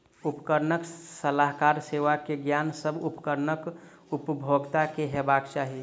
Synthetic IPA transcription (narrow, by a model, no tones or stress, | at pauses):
upkəɾnəksəlaɦkaɾseʋakeɡjaːnsəbʱupkəɾnək | upbʱoɡt̪akeɦebaːɡt͡ʃaːɦi